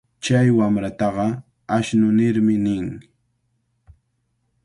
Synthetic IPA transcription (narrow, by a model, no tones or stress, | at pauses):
t͡ʃajwamɾat̪ɑɢɑ | aʃnʊnɪɾmɪnɪŋ